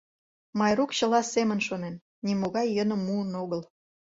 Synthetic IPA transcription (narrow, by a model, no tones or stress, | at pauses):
mɑjrukɕə̆lɑsemə̆nʃonen | nimoɣɑjːənə̆mːuənoɣəl